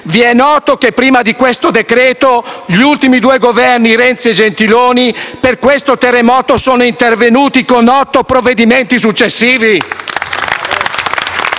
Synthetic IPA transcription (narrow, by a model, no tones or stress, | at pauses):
viɛnːɔːt̪okepːɾiːmad̪ikwest̪od̪ekɾeːt̪oʎiult̪imid̪uːeɡovɛrniɾɛnt̪sied͡ʒent̪iloːniperkwest̪ot̪erːemɔːt̪osoːnoint̪ervenuːt̪ikonɔt̪ːopɾovːed̪iment̪is̬ut͡ʃːesːiːvi